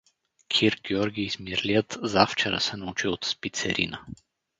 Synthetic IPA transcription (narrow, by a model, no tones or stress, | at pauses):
kʲʰiɾɡʲɛɔɾɡʲiːzmiɾliət̪zaft͡ʃɛɾə̰sɛnɐut͡ʃiot̪spit̪sɛ̰ɾʔḭnə